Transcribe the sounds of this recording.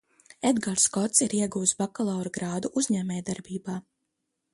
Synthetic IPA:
ed̪ɡaɾskɔt̪siɾiɛɡuːsbakalˠaːɾɡɾaːd̪uʔuzʲɲɛːmʲɛjd̪aɾbiːbaː

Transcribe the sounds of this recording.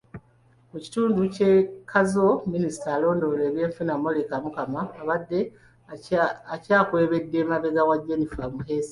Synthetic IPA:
muci̥tuːnduce̞kʰazo̞minisi̥talo̞ːndo̞leːβje̞ːɱfunamo̞lekamukamaːβadːe̞ | acaːkwe̞ːβe̞dːeːmaβe̞ɡawaɟːenifamuhe̞ːse̥

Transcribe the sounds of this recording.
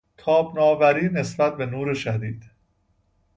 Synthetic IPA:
t̪ʰɒːbnɒːvæɾiːne̞sbæt̪̚ʰbe̞nuːɾe̞ʃæd̪iːd̪̥

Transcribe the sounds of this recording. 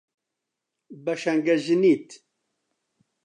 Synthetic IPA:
bɐʃɐŋɡɐʒɨniːt̪

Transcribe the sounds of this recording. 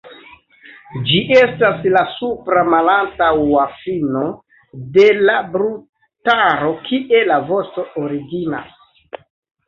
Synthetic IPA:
d͡ʒiʔe̞staslasupɾamalantawafino̞ | de̞labɾu | taɾo̞kʰiʔe̞lavo̞sto̞oɾiɡina̰s

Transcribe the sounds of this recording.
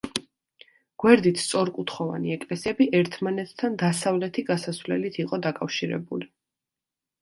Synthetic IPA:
ɡ̥wɛɾd̪it̪ʰst̪sʼɔɾkʼut̪ʰχɔva̰niɛkʼlɛsiɛbiʔɛɾt̪ʰmanɛt̪ʰt̪ʰand̪asavlɛt̪ʰiɡasasvlɛlit̪ʰiqʼɔd̪akʼafʃiɾɛ̰buli

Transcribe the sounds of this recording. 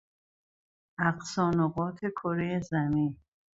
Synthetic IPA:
ʔæqsɒːnoɣɒːt̪ʰe̞kʰoɾejezæmin

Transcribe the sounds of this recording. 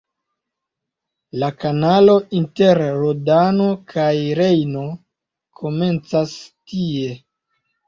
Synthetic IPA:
lakanalo̞ʔinte̞ɾɾodano̞kʰajɾe̞jno̞ | kʰo̞me̞nt͡sastie̞

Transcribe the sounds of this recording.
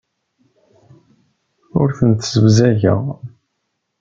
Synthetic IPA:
ʊ̰ɾθənt̪zəvzæʝə̰ʁ

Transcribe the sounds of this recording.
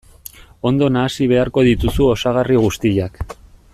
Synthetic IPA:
o̞nd̪o̞naːsiβ̞e̞aɾko̞ð̞it̪usuo̞saɣ̞ariɣ̞ust̪iʎak

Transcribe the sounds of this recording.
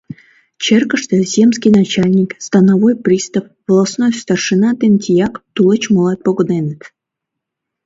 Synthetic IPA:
t͡ɕerkə̆ʂt̪ə̆zʲemskʲijnat͡ɕalʲnʲikst̪ɑnavojprʲist̪af | vlˠasnojst̪ɑrʂɨnɑt̪enʲtʲijɑkt̪ulˠɤt͡ɕmulˠɑt̪̚ʲboɡŏnenʲə̆t̪

